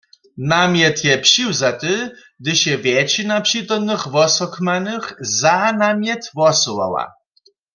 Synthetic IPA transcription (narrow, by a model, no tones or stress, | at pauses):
namjɛt̪jɛpɕiwzat̪ɨ | ɡd̪ɨɕɛvʲjɛt͡ɕinapɕit̪ɔmnɨxvɔsɔkmanɨxzanamʲjɛt̪vɔsɔwa̰wa̰